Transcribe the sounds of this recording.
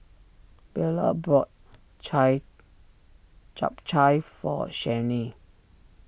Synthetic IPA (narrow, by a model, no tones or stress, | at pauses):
b̥ɛlə̰bɹɔt̚ | t͡ʃa̰p̚t͡ʃajfɔ̰ʃɛni